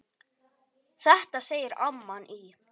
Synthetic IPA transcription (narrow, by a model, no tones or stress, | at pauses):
θɛht̪aseːjɪɾamːanʔi